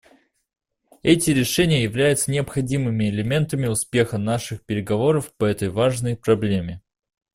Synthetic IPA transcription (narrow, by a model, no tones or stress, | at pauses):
ɛtʲɪɾʲɪʂɛnʲɪjəjɪvlʲæjʊt̪sənʲɪɐpxɐdʲimɨmʲɪɪlʲɪmʲe̞nt̪əmʲɪʊspʲe̞xənaʂɨxpʲɪɾʲɪɡɐvo̞ɾəfpɐɛt̪əjvaʐnəjpɾɐblʲemʲɪ